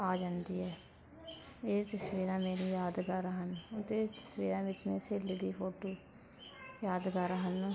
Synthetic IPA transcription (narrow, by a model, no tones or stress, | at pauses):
aːd͡ʒãːnd̪iːɦɛː | eːt̪əsʋiːɾãːmeːɾiːjaːd̪kəɾɦənʊt̪eɪst̪ə̥sʋiːɾãːʋɪt͡ʃmẽːseːliːd̪iːpʰoːʈoː | jaːd̪kəɾɦən